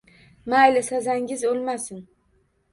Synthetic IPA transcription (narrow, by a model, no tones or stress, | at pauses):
majlɪsazaŋʲɪzolˠmasɪn